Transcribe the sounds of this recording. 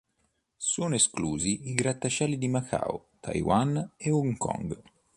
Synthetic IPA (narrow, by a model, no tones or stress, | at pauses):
soːnoeskluːziiɡɾat̪ːat͡ʃɛlːid̪imakʰa̰ːu | t̪ʰa̰jwaneuŋkɔ̰ŋɡ